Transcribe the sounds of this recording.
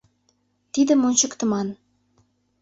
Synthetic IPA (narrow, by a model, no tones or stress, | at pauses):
t̪id̪ə̆monɕɤ̆kt̪ɤ̆mɑn